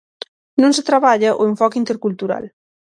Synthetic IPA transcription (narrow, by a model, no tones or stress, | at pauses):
nõnset̪ɾaβaʎaʔo̰eɱfɔkint̪eɾkult̪uɾa̰l